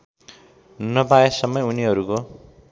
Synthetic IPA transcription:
nʌpajesʌmːʌjuniɦʌɾuko

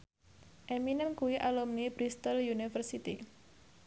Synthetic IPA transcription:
ʔeminənkuwiʔalumnibɾist̪əljunifərsit̪ḭ

